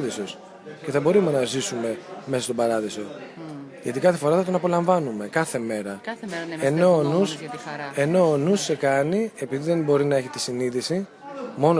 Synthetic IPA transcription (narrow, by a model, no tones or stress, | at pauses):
ðisos | ce̞θɐbo̞ɾumenɐzisume̞mesɐst̪o̞bɐɾɐðiso̞ | ʝɐt̪ikɐθefo̞ɾɐθɐt̪onɐpo̞lɐɱvɐnume̞kɐθe̞me̞ɾɐeno̞nuse̞no̞ːnusːe̞kɐnie̞piðiðe̞mbo̞ɾinɐe̞çet̪i̥siniðisi | mo̞no